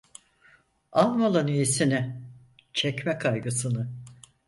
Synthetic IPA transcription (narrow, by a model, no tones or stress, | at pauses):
alˠmolˠanijisinɪ | t͡ʃʰɛcmɛkʰajɡɯsɯnɯ